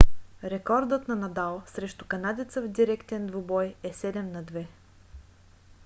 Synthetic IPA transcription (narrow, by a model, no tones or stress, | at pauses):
ɾɛkɔɾd̪ɤt̪nɐnɐd̪alˠsɾɛʃt̪ʊ̥kɐnad̪ʲit̪səvd̪iɾɛkt̪ɛnd̪vʊbɔjɛsɛd̪ɛmnɐd̪vɛ